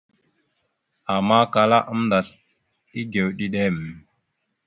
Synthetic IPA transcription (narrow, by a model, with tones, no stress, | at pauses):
a˨ma˦ka˨la˦ʔə˦m̩nda˨ɬ | i˦ɡe˨wɗi˦ɗe˦m˨